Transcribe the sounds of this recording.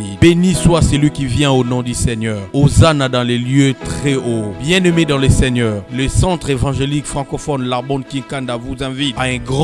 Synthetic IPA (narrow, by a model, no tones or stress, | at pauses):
ibeniswasɛlɥikʲivjɛ̃onɔ̃d̪ysɛɲœːʁozanad̪ɑ̃leljøt̪χɛobjɛ̃nømed̪ɑ̃ləsɛɲœːʁləsɑ̃t̪χevɑ̃ʒelikfχɑ̃kɔfɔnlaʁbɔ̃d̪̚kĩkand̪avuzɛ̃vit̪aɛ̃ɡʁɑ̃